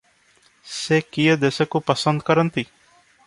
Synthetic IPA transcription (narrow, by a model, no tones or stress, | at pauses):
sekijed̪esekupəsənd̪̚kəɾənt̪iː